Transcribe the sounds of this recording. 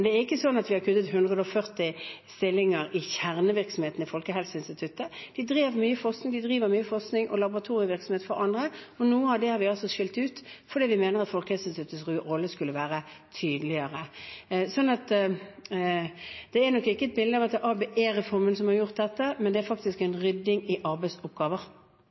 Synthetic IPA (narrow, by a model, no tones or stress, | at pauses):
ɛnd̪ɛæɾɪkːəsɔnːɑt̪ʋɪhɑɾkʰʉt̪ːət̪ɦʉnd̪ʁəd̪əɔfœʁt̪ɪst̪ɪlːɪŋəɾɪçæʁnəʋɪɾksɔmheːt̪nɪfɔlkəɦɛlsɪnst̪ɪt̪ʰʉt̪ːəd̪̥ɪd̪ɾeːʋəmyːəfɔʁsnɪŋd̪ɪd̪ʁiːʋəɾmyːəfɔsnɪŋʔɔ̰lɑbʊʁɑt̪ʰuːɾɪəʋɪɾksɔmeːt̪fɔɾɑnd̪ɾəɔnuːəɑʋd̪ɛhɑɾʋɪɑlsɔʃɪlt̪ʉːt̪fɔɾd̪iːʋɪmeːnəʁɑt̪fɔlkəhɛlsɪnst̪ʰʉt̪ːəsʁʉːʁɔlːəskʉlːəʋæːɾət̪ʰyːd̪əlɪəʁəsɔnːɑt̪ | d̪̥ɛæɾnɔkːɪkːəɛt̪̚bɪld̪əmɑt̪əʔɑːbeːʔeːɾɛfɔɾmənsɔmhɑɾjʊʁt̪̚d̪ɛt̪ːəmɛnd̪ɛæɾfɑk̚t̪ɪskɛnɾʏd̪ːɪŋɪʔɑɾbæɪsʊp̚ɡɑːʋəɾ